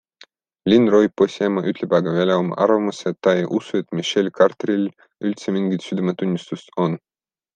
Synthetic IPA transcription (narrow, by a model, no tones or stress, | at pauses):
lʲinrojposʲemɑʔyt̪ʰlebɑɡɑvælʲɑomɑ̰ʔɑ̰ɾvɑmuset̪ːɑejʔusuet̪miʃelʲkɑrt̪ɾilʲ | ylʲt̪semiŋɡit̪syd̪emet̪unʲːist̪ust̪on